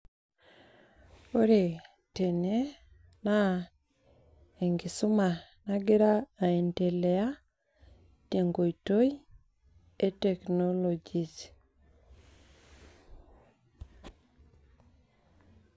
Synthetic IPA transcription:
o˦ɾe˨ | te˨ne˦ | na˦ | e˨ŋɡi˨su˦ma˨naɡɪ˦ɾaː˦˨e˨nte˨le˨a˦ | te˨ŋɡo˨i˨to˦i˦ | e˦te˨kno˦lo˨d͡ʒi˨s

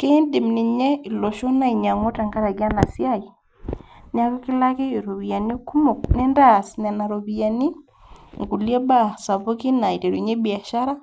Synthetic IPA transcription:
ke˦ndi˨mnɪ˨ɲɛ˦i˨lo˨ʃo˦na˦i˨ɲa˨ŋo˦ta˨ŋɡa˦ɾa˨ɡɪ˦a˦na˨sja˦i˨ | na˦ɡɔ˦kɪ˦la˦ke˦˨ɾo˨βi˨ja˨ni˦ku˦mo˨k̚nɛ˦nda˦˨sn˨a˨na˨ɾo˨bi˨a˨ni˦ | ŋɡu˨lja˦ba˦sa˨bo˦ki˦na˨i˨te˨ɾo˨ɲe˦bɪ˨a˨ʃa˦ɾa˦

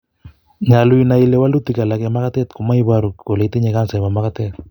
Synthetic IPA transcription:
ɲa˨lu˦i˦na˨i˦lɛ˦wa˦lu˦ti˨ka˨la˨kɛ˨ma˦ka˦tɛ˦tko˨ma˦i˦βa˦ɾu˨kko˨le˨te˦ɲe˨ka˦nsa˨ma˨ma˦ka˦tɛ˦t̪̚

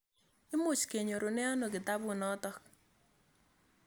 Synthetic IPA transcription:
ɪ˦mʊ˨t͡ʃke˨ɲo˨ɾo˨nɛ˦a˦no˨kɪ˨ta˦bʊ˨nɔ˦tɔ˦k̚

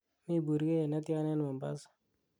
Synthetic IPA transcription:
mi˦˨bu˨ɾke˦ɛ˨na˦tja˦nɛ˦nma˨mba̰˦s

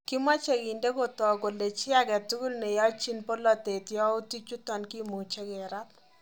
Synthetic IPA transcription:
kɪ˦ma˦t͡ʃe˨ɡi˨nde˦ko˦tɔ˨ɡo˨le˨t͡ʃɪ˦a˦ɡɛ˨tu˦ɡu˦lnɛ˨jɔ˦t͡ʃi˦npo˦lɔ˨t̪e˨tjɔ˦ʊ˦ti˦t͡ʃu˦tɔ˨nki˦mu˨t͡ʃɛ˦ɡɛ˨ɾa˦t̚

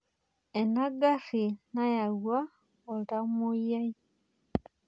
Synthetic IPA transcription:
e˨na˦ɡa˦ʂi˨na˦ja˨ɣwa˦ | o˨ɾa˦mu˦ja˦i˦

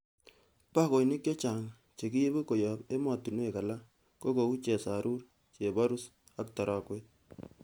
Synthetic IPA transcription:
pa˦ko˨jnɪ˦kje˦t͡ʃa˨ŋ | t͡ʃe˨ki˦je˦bo˦ko˨jɔ˨pe˦ma˨tu˨n˦e˨ka˨la˦ | ko˦ko˨u˦t͡ʃe˨sa˨ɾʔu˦r | t͡ʃe˨ba˦ɾu˦s | a˦k̚ta˨ɾʔa˨kwe˦t̚

